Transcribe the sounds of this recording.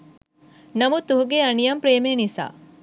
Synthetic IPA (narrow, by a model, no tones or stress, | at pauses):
nɐmut̪uɦuɡeɐnijɐmpɾeːmeːnisa̰ː